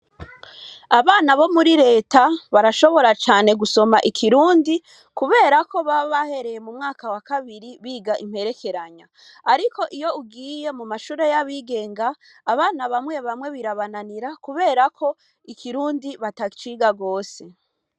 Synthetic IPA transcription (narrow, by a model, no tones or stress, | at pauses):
aβaːnaβo̞muɾiɾe̞ːtaβaɾaʃo̞βo̞ɾat͡ʃaːne̞ɡuso̞maʔikʰiɾuːndi | kuβe̞ːɾako̞βaβahe̞ɾe̞je̞mumŋaːkawakaβiɾiβiːɡaʔim̥he̞ɾe̞kʰe̞ɾaɲa | aɾiko̞ʔijo̞uɡiːje̞mumaʃuːɾe̞jaβiːɡe̞ːŋɡaː | βaːnaβamŋwe̞βamŋe̞βiɾaβananiɾakuβe̞ːɾakʰo̞ | ikʰiɾuːndiβatat͡ʃiɡaɡo̞ːse̞